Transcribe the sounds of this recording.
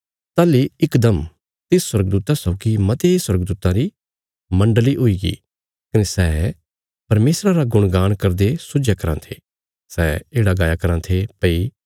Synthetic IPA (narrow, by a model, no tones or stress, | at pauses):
t̪aːliɪkd̪ɐm | t̪ɪssːwɐɾɡd̪uːt̪asɐːkimɐt̪eswɐɾɡd̪uːt̪ãɾi | mɐ̃ɳɖliʔɦʊiɡḭ | kɐnesɛː | pɐɾmeːsɾãɾaɡʊɽ̃ɡaːɽ̃kɐɾd̪esʊd͡ʒjakɐɾã̰t̪ʰeː | sɛːeːɽaɡaːjakɐɾãt̪ʰepɐi